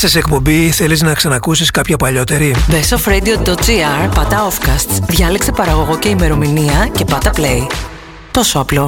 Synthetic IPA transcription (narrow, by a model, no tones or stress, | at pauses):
sɐsekpo̞mbiθe̞liznɐksɐnɐkusiskɐpçɐpɐʎo̞t̪e̞ɾibesofɾed̪iod̪ot̪̚d͡ziɐɾpɐt̪ɐo̞fkɐst̪sðʝɐleksepɐɾɐɣo̞ɣo̞ce̞ime̞ɾo̞miniɐce̞pɐt̪ɐple̞j | t̪o̞so̞ɐplo̞